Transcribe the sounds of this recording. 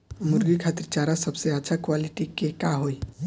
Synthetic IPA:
mʊɾɡikʰat̪əɾt͡ʃaːɾasəbseətːʃʰakwalɪʈikekaɦoi

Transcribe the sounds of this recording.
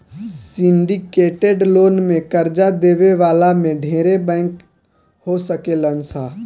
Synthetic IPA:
sɪ̃ɳɖikeːʈeɖloːnmẽkəɾd͡ʒad̪eːʋeʋaːlamẽɖʱeːɾebɛ̃ːk | hosəkelənsaː

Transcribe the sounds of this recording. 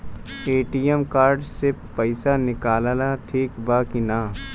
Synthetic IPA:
eːʈiːjemkaːɾɖsepɐɪsanɪkaːlalaʈ̪ʰiːkbaːkinaː

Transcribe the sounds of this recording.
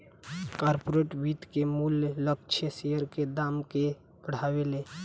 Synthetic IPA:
kaːɾpoɾeʈʋit̪kemullək̚t͡ʃʰesejəɾked̪aːmke | pəɽ̤aːweleː

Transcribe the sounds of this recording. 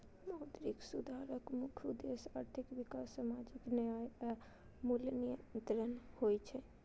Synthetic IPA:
mɔːd̪ɾiksʊd̪ʱaːɾəkmʊkʰud̪eːsa̰ːɾt̪ʰɪkʋɪkassamaːd͡ʒɪkna | mulnijə̃nnt̪ɾənhoːit͡ʃʰɛ

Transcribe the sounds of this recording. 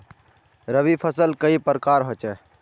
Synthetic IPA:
ɾəʋipʰəsəlkəipəɾkaːɾɦoːt͡ʃɛː

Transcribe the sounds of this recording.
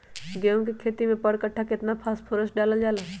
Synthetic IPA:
ɡeũkikʰeːt̪imẽpəɽkəʈʰːakɪt̪napʰaːspʰoɾəsɖaːləld͡ʒaːla

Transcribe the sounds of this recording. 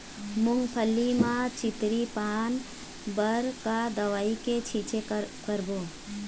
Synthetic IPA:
mʊŋɡpʰəlːimãt͡ʃɪt̪ɾipaːn | bəɾkad̪əʋaːiket͡ʃʰit͡ʃekəɾbo

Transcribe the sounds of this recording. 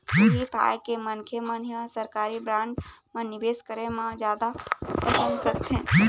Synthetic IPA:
iɦipʰa̰ːjkemənkʰemənjə̃səɾkaːɾibɾãːɳɖmãnɪbeːskəɾemãd͡ʒjaːd̪apɾəsə̃nd̪kəɾt̪ʰẽ

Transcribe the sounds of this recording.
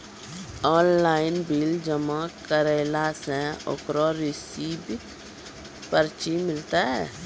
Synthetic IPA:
ɔːnlaːɪnbild͡ʒəmãkəɾeːlasɛ̃o̰kɾɔɾɪsiːb | pəɾt͡ʃimɪlt̪aɦɛː

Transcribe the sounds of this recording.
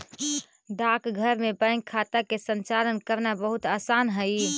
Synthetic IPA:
ɖ̪akɡʱəɾmebə̃ŋɡkʰat̪akesənt͡ʃalənkəɾnabəɦut̪asanɦəj

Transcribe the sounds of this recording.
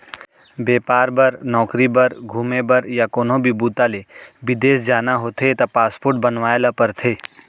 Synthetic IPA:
beːpaːɾbəɾnɔːkɾibəɾɡʱuːmebəɾjakoːnõbʱibuːt̪alebɪd̪eːsd͡ʒaːnaɦoːt̪ʰet̪apaːspoːɾʈ̚bənʋaːelapəɾt̪ʰeː

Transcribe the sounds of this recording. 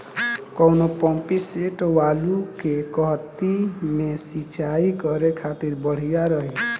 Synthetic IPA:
kɔwnopɔmpiseʈɔwalukekɔɦt̪imesit͡ʃaikɔɾekʰat̪iɾbɔɽ̤ijaɾɔɦi

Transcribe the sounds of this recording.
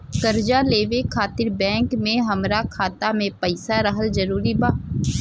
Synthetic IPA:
kɐɾd͡ʒaleːʋekʰaːt̪ɪɾbɛ̃ːŋkmẽɦɐmɾakʰaːt̪amẽpɐɪsaɾəɦəlzɐɾuːɾibaː

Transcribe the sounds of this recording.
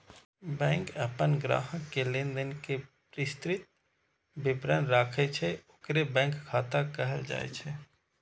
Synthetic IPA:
bɛ̃ːŋkəpənɡɾa̰ːɦə̃kelɪ̃nd̪ənkepɾɪst̪ɾɪt̪̚ | bɪbɾənɾaːkʰet͡ʃʰɛʊkɾebɛ̃ːŋkkʰːaːt̪akɛɦəld͡ʒa̰ːḛt͡ʃʰɛ

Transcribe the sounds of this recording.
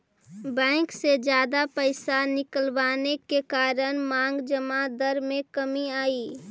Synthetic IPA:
bɛ̃ːŋksed͡ʒjaːd̪apəɪsanɪkəlʋaːnekekaːɾənmãːŋɡd͡ʒəmad̪əɾmẽkəmiaːiː

